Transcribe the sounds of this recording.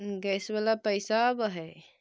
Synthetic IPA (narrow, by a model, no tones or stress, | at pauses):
ɡɛsbalapəjsabəɦɛ